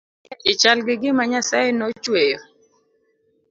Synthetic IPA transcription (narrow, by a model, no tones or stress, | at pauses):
ɪt͡ʃalɡɪɡɪmaɲasajnɔt͡ʃwejo